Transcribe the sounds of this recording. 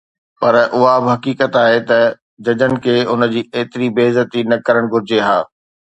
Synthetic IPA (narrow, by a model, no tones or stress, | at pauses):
pɐɾʔʊɦabɪɦɐkiːkət̪aːɦet̪ɐ | d͡ʑɐd͡ʑənɪ̆kʰeːʊn̆d͡ʑiːeːt̪ɪɾibeːzət̪inɐkɐɾəɽ̃ɡʱʊɾɪd͡ʑeɦaː